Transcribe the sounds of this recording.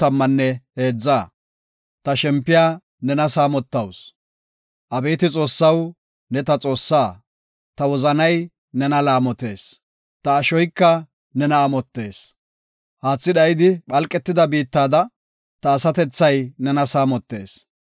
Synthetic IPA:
ɐmːɐnːɛhe̞ːd͡zːaː | t̪ɐʃɛmpːɪjaː | nɛnɐsaːmɔt̪ːɐws | ʔɐbeːt̪ɪt͡sʼo̞ːsːɐw | nɛt̪ɐt͡sʼo̞ːsːaː | t̪ɐwɔzɐnɐj | nɛnɐlaːmɔt̪e̞ːs | t̪ɐːʃɔjkːɐ | nɛnɐːmɔt̪ːe̞ːs | haːt͡sːɪɗɐjɪd̪ɪɓɐlkʼːɛt̪ːɪd̪ɐbiːt̪ːaːd̪ɐ | t̪ɐːsɐt̪ɛt͡sːɐjnɛnɐsaːmɔt̪ːe̞̰ːs

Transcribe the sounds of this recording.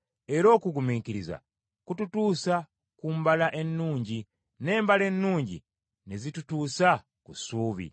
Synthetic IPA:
eɾo̞ːkuɡumikiɾiza̰ | kututuːsa | kumbalaʔe̞nːuːɲɟi | ne̞ːmbale̞nːuːɲɟḭ | nezitutuːsa | kusuːβḭ

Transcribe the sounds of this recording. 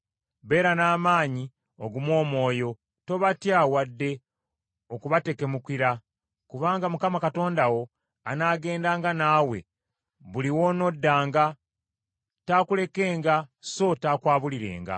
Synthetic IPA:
βe̞ːɾanaːmaːɲi | o̞ɡumwo̞ːmo̞ːjo̞ | to̞βatjaːwadːe̞ | okuβate̞ke̞mukiɾa | kuβaːŋɡamukamakato̞ːndawo̞ | anaːɡe̞ːndaːŋɡanaːwe̞̰ | βuliwo̞ːno̞dːaːŋɡa | taːkule̞ke̞ːŋɡaso̞taːkwaːβuliɾe̞̰ːŋɡa̰

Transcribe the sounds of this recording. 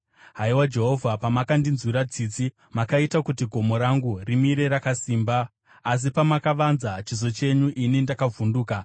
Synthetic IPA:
ɦaiwad͡ʒe̞ɦo̞vʱapamakandinzwiɾad͡ziːt͡si | makaitakutiɡʱo̞mo̞ɾaŋɡurimiɾe̞ɾakasiːmbaː | s̬ipamakaʋanzat͡ʃizo̞t͡ʃe̞ɲuʔinindakavunduːka

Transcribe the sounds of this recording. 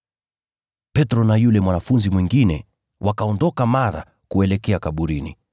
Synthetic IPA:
pɛtɾɔnajulɛmwanafunzimwiŋɡinɛ | wʔakaɔndɔkamaɾa̰ | kuɛlɛkɛakaɓuɾinḭ

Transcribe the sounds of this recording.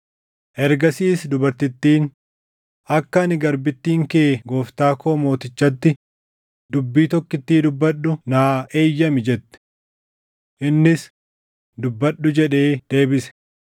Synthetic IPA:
ʔɛɾɡɐsiːsd̪ʊbɐɾt̪ɪt̪ːiːn | ɐkːɐːnɪɡɐɾbɪt̪ːiːŋke̞ːɡo̞ːft̪aːko̞ːmo̞ːt̪ɪt͡ʃːɐt̪ːɪ | d̪ʊbːiːt̪ɔkːɪt̪ːiːd̪ʊbːɐɗːʊnaːʔe̞ːjːɐmɪd͡ʒɛt̪ːɛ̥ | ʔɪnːɪs | d̪ʊbːɐᶑːʊd͡ʒɛᶑe̞ːd̪̥e̞ːbɪsɛ̥

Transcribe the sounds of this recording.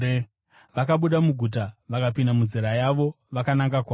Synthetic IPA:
ʋakaɓuɗamuɡʱut̬aʋakapindamuziɾajaʋo̞ | ʋakanaŋɡakwa

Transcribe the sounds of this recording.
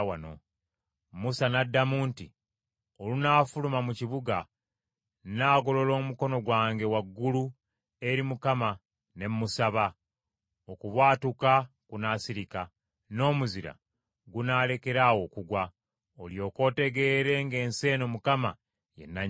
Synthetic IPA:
wano̰ | musanadːamuːnti | olunaːfulumamuciβuɡa | naːɡo̞lo̞lo̞ːmuko̞no̞ɡwaːŋɡe̞waɡːulu | e̞ɾimukama | ne̞mmusaβa | okuβwaːtuka | kunaːsiɾika | no̞ːmuziɾa̰ | ɡunaːle̞ke̞ɾawo̞kuɡwa | oljo̞ːko̞ːte̞ɡe̞ːɾe̞ŋɡe̞ːnse̞ːno̞mukama | jḛnːa

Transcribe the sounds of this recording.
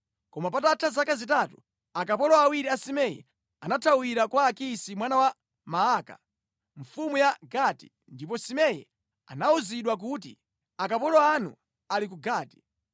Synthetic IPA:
kɔmapatatʰazakazitatṵ | akapɔlɔawiɾiasimɛjɛ̰ | anatʰawiɾakwaːkisimwanawa | maaːka̰ | ɱ̩fumujaɡati̥̰ | ndip̬ɔsimɛjɛ̰ | a̰nauziɗwak̬ut̬ḭ | akapɔlɔanṵ | alik̬uɡaːti̥

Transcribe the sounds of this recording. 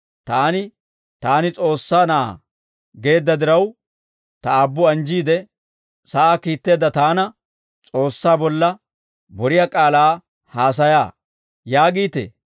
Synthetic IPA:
t̪aːnɪ | t̪aːnɪt͡sʼo̞ːsːaːnɐa̰ | ɡe̞ːd̪ːɐd̪ɪɾɐw | t̪ɐabːʊɐnd͡ʒiːd̪ɛ | sɐʔaːkiːt̪ːe̞ːd̪ɐt̪aːnɐ | t͡sʼo̞ːsːaːbɔlːɐ | bɔɾɪjakʼaːlaː | haːs̬ɐja̰ː | jaːɡiːt̪ḛː

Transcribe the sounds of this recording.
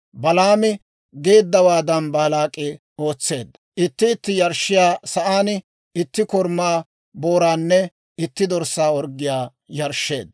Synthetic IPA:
bɐlaːmɪ | ɡe̞ːd̪ːɐwaːd̪ɐnbaːlaːkʼːɪ | o̞ːt͡sːe̞̰ːd̪ | ʔɪt̪ːɪːt̪ːɪjɐɾʃɪjaːsɐʔaːn | ɪt̪ːɪkɔɾmaː | bo̞ːɾaːnːɛ | ɪt̪ːɪd̪ɔɾsːaːɔɾɡːɪjaː | jɐɾʃːe̞̰ːd̪

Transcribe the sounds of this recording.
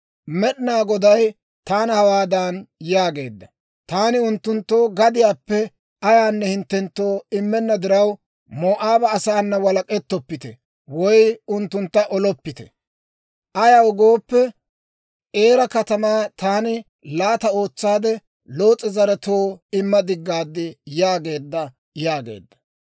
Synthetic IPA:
mɛɗɪnaːɡɔd̪ɐj | t̪aːnhɐwaːd̪anjaːɡe̞̰ːd̪ːɐ | t̪aːnɪʊnt̪ːʊnt̪ːo̞ːɡɐd̪ɪjaːpːɛ | ɐjaːnːɛhɪnt̪ːɛnt̪ːo̞ːɪmːɛnːɐd̪ɪɾɐw | moːʔaːbɐːsaːnːɐwɐlɐkʼɛt̪ːɔpːɪt̪ɛ̰ | wɔjʊnt̪ːʊnt̪ːɐʔɔlɔpːɪt̪ɛ̰ | ʔɐjawɔɡo̞ːpːɛ | ʔe̞ːɾɐkɐt̪ɐmaːt̪aːnɪ | laːt̪ɐo̞ːt͡sːaːd̪ɛ | lo̞ːt͡sʼːɪzɐɾɛt̪oːɪmːɐd̪ɪɡːaːd̪ːɪjaːɡe̞ːd̪ːɐ | jaːɡḛːd̪ːɐ̥

